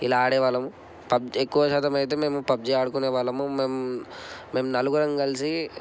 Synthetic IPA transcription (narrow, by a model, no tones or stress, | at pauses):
ilaaːɽɛːʋaːlɐmu | pɐbd͡ʒekːuʋɐʃaːt̪ɐmɐjt̪eːme̞ːmupɐb̚d͡ʒiaːɽukuneːʋaːlɐmumeːmː | e̞ːmnɐluɡuɾɐŋɡɐɡɐlisi